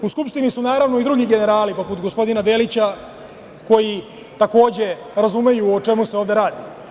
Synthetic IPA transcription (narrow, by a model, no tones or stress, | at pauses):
uskupʃt̪inisunaːɾaʋno̞id̪ɾuɡiɡe̞ne̞ɾaːlipo̞put̪ɡo̞spo̞d̪inad̪e̞lit͡ɕa | ko̞ji | t̪ako̞ːd͡ʑe̞ | ɾazume̞juot͡ʂe̞muse̞o̞ːvd̪eɾaːd̪i